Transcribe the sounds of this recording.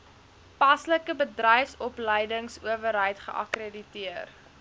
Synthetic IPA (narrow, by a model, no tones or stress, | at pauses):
pɐsləkəbədrɛjfsɔpləjdəŋsuəvəɾɦəjtχə̰ʔɐ̰kriditiər